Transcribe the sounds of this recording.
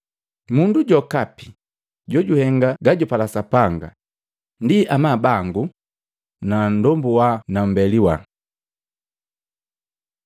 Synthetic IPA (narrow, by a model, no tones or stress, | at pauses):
munduɟɔkapi | ɟɔɟuhɛŋɡaɡaɟɔpalasapaŋɡa̰ | ndiʔamabaŋɡu | nan̩dɔmbuwanambɛliwa